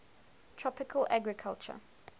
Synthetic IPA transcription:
tʰɹ̥ɔpɪkʰəlʔaɡɹɪkʰalˠt͡ʃə̰

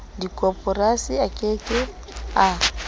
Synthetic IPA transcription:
dikʼɔpʼɔrasiakʼekʼɪ | a

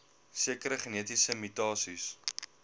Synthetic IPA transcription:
siəkəɾəχeniətisəmytɑːsis

